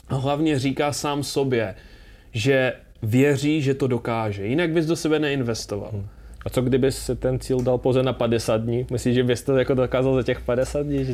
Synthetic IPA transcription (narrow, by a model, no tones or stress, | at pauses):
aɦlavɲɛriːkaːsaːmso̞bjɛ | ʒɛ | vjɛr̝iːʒɛt̪o̞do̞kaːʒɛjɪnaɡ̚bɪzdo̞sɛbɛnɛɪnvɛst̪o̞va̰lʔat͡soɡdɪbɪsːɛt̪ɛnt͡siːldalpowzɛnapadɛsaːd̪̚dɲiːmɪsliːʒɛbɪst̪ɛjakodokaːzalzacɛxpadɛsaːd̪dɲiːʒ